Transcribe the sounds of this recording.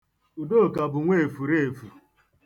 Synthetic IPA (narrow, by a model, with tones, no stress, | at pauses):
u˨do˦˨ka˨bʊ˨ŋʷe˦˨e˨fu˨ɾe˦e˨fu˨